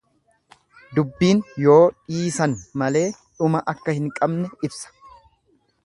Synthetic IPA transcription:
d̪ʊbːiːnjo̞ːᶑiːsɐnmɐle̞ːᶑʊmɐʔɐkːɐhɪŋkʼɐbnɛɪbsɐ̥

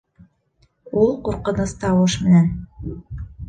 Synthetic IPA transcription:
ulˠquɾqɤ̆nɤst̪ɑwɤʃmɘ̆næn

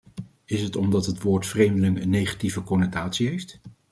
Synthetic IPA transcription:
ɪsətɔmdɑtɦətʋoːɹtfrejmdəlɪŋənːejχḁtivəkɔnətaːtsiɦejft

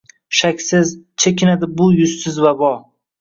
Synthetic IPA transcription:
ʃakʲsɪzt͡ʃʰekʲʰɪnad̪ɪbʊjʊsːɪzvabɒ

